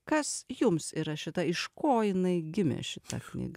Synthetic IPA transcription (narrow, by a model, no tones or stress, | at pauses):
kɐsjʊmsiːɾɐʃʲɪt̪ɐɪʃkoːjɪnɐɪɡʲɪmʲḛʃʲɪt̪ɐ̰knʲḭːɡɐ